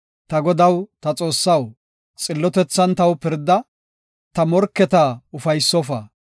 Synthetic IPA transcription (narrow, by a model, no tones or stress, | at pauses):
t̪ɐɡɔd̪ɐwt̪ɐt͡sʼo̞ːsːɐw | t͡sʼɪlːɔt̪ɛt͡sːɐnt̪ɐwpɪɾd̪ɐ | t̪ɐmɔɾkːɛt̪ɐʊfɐjsːɔfɐ̰